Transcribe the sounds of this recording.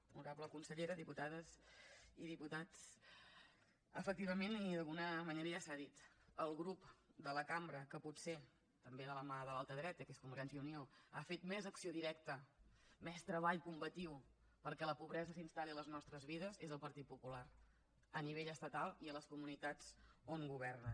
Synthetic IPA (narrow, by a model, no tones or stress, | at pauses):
uɾaβləkunsəʎeɾəðiput̪aðəziðiput̪at͡s | əfək̚t̪iβəmeniðəlˠɣunəməneɾəasaðit̪ | əlˠɣɾupd̪ələkambɾəkəput̪se | t̪əmbeðələmaðəlalˠt̪əðɾɛt̪əkeskumbəɾʒɛnsjəunioafet̪mɛzəksioðiɾɛk̚t̪əmɛst̪ɾəβaʎkumbət̪iw | pəɾkɛləpuβɾɛzəsinst̪aliələznɔst̪ɾəzβiðəzezəlˠpəɾt̪it̪̚pupulaɾ | əniβeʎəst̪ət̪alˠiələskumunit̪at͡soŋɡuβ̞ɛrnə